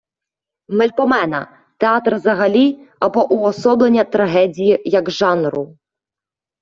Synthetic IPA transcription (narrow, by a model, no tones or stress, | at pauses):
mɛlʲpɔmɛnɐ̰ | t̪eat̪rzɐɦɐlʲiɐbɔʔuɔsɔblˠenʲːɐt̪ɾɐɦɛdʲijijɐɡʒɑnɾʊ